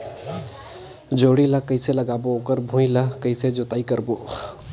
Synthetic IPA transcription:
d͡ʒoɽiləkəɪseləɡaːbookəɾbʱũiləkəɪsed͡ʒot̪aikəɾbo

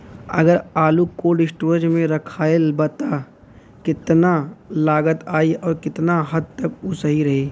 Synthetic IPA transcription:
ɐ̰ɡəɾaːlukoɖɪsʈoːɾd͡ʒmẽɾɐkʰaːɪlbɐt̪a | kɪt̪nalaːɡət̪aːiʔɔːɾkɪt̪naɦɐd̪̚t̪ɐkʊsəɦiɾɐɦeː

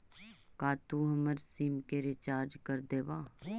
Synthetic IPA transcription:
kaːt̪uːɦəməɾsiːmkeːɾet͡ʃaːɾd͡ʒkəɾd̪eːʋaː

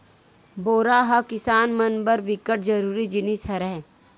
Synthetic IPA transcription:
boːɾaɦakɪsaːnmɐnbəɾbɪkəʈ̚d͡ʒɐɾuːɾid͡ʒɪnisɐɾɛɦ

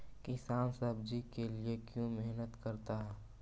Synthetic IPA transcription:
kɪsaːnsəbd͡ʒikeliekjũmɛɦnət̪kəɾt̪aɦɛː

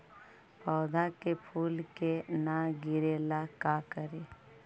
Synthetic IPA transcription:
pɔːd̪ʱakepʰuːlkenaɡɪɾeːlakakəɾeː

